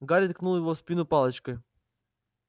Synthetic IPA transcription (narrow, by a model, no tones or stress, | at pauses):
ɡaɾʲɪt̪knulˠjɪvofspʲinʊpɑlˠət͡ɕkəj